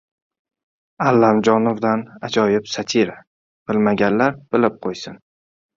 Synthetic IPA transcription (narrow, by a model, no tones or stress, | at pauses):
alːamd͡ʒɒnovd̪anad͡ʒɒjɪpsat̪ʰiɾa | b̥ɪlmaɡʲanlaɾb̥ɪlɪp̚qʰojsɪn